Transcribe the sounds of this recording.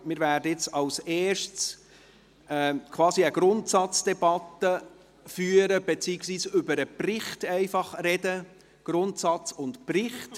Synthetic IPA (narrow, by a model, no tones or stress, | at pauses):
mɪɾvæːrdəɪt͡sɑlsɛːʃts | ɛkʰvɑːsiəɡ̥ɾʊntsɑt͡sd̥ɛbɑt̪ə | fyːəɾəb̥et͡siːɪksʋiːsʏbəɾəprɪχtɛɪfɑχrɛdə | ɡ̥ɾʊntsɑt͡sʊntprɪχt